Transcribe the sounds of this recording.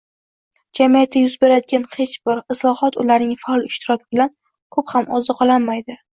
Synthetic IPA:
d͡ʒamijat̪ʰːajʊzbe̞ɾad̪ɪɡʲanhet͡ʃbɪɾɪslˠɒhɒt̪ʊlaɾnɪŋfalˠɪʃt̪ʰɪɾɒkʲɪbɪlan | kʰophamɒzɨqʰɒlˠanmajd̪ɪ

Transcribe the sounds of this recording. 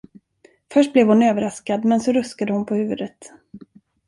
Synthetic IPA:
fœʂʈ̚blɛvhʊnøːvəɾaskad̪mɛnsɔɾɵskad̪əhʊnpʰɔhʉ̟ːvɵd̪ət̪

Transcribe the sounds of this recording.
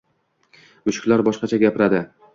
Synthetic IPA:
ʊʃɪ̥kʲlaɾbɒʃqɑt͡ʃʰaɡʲapʰɪɾad̪ɪ

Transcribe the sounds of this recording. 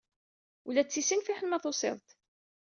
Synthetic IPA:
ulæt͡sːisinfiħənmæθosˤɪ̰ðˤt̪

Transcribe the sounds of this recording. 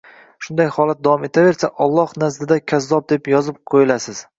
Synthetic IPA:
ʃʊnd̪ajhɒlˠat̪̚d̪avɒme̞t̪ʰave̞ɾsaʔɒlˠːɒhnazd̪ɪd̪akʲʰazːɒb̚d̪e̞pjɒzɪp̚qʰojɪlasɪz̥

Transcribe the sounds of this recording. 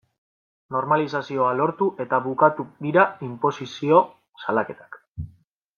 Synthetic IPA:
no̞ɾmalis̬asio̞alo̞ɾt̪uʔe̞t̪aβukat̪ud̪iɾaimpo̞sisio̞ | salake̞t̪ḁk

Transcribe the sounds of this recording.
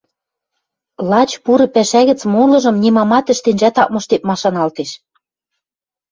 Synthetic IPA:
lɑt͡ɕpuɾɤ̆pæʃæɣɘ̆t͡smolɤ̆ʒɤ̆mnʲimɑmɑt̪ɘ̆ʃt̪enʒæt̪ɑk̚mɤ̆ʃt̪ep̪̚mɑʃɑnɑlt̪eʃ

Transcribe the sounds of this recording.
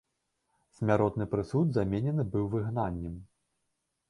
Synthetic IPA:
sʲmʲaɾɔt̪nɨpɾɨsud̪zamʲenʲɛnɨbɨwvɨɣnanʲːɛm

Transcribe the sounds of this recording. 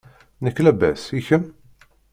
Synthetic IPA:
nəkːlæbæ̰siçəm

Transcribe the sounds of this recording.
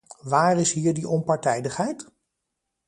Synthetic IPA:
ʋaːrɪsɦiːɹdiʔɔnpɑɹtɛjdəχɦɛjt

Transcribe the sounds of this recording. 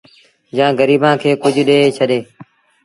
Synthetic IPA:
jãːɡəɾiːbãːkʰeːkʊd͡ʒʱɗeːt͡ʃʰəɗeː

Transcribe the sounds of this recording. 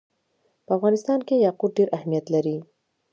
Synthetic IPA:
pəafɣɑnɪst̪ɑnkejɑqud̪̚ɖeɾʔahmijat̪laɾi

